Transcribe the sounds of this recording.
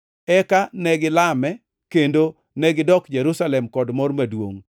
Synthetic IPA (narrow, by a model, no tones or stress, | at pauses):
ɛkanɛɡɪlamɛ | kendo | nɛɡɪdɔkd͡ʒeɾusalɛmkɔdmɔrmadwo̰ŋ